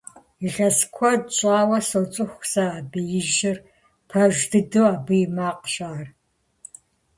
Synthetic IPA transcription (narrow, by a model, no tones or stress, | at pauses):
iʁʲɐskʷʰɔdɕʼaːwɐsot͡sʼɨxʷsɐaːbɨjɪʒɪr | pʰɐʒdʰɨdɨwaːbɨjmaːqʃaːr